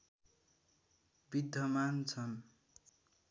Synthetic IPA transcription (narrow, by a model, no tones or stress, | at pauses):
bid̪ʱːʌmant͡sʰʌn